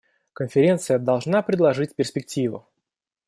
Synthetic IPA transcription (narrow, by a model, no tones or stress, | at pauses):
kənfʲɪɾʲe̞nt̪sɨjəd̪ɐlˠʐnapɾʲɪd̪lˠɐʐɨtʲpʲɪrsʲpʲɪk̚tʲivʊ̰